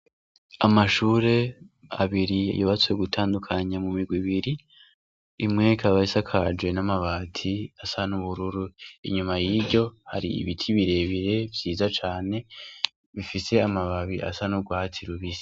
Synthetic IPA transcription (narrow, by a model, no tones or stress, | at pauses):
amaʃuːɾe̞a̰βiɾḭjoβat͡swe̞ɡutʰaːndukʰaɲamumiɡwiβiɾi | imŋekʰaβaisakʰad͡ʒwe̞namaβaːtʰiasanuβuɾuɾuḭɲumajiːbɟo̞ha̰ɾḭḭβitʰiβiɾe̞βiɾe̞vjiːzat͡ʃaːne̞ | βifise̞amaβaβiʔa̰sanuɡwatʰiɾuβisi̥